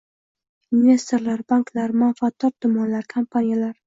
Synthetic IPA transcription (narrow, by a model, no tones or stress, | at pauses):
ɪmnʲest̪ɾlaɾbaŋklaɾmʊafat̪̚ːɒɾd̪ʊmːɒnlaɾkʰampʰanijalaɾ